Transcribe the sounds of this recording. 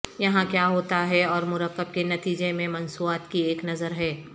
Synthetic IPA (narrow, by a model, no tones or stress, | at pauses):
jɐɦãkjaːɦoːt̪aɦɛɔːɾmʊɾəqːəb̚kenɐt̪iːd͡ʒemẽmɐnsuaːt̪kieːknɐzəɾɦɛː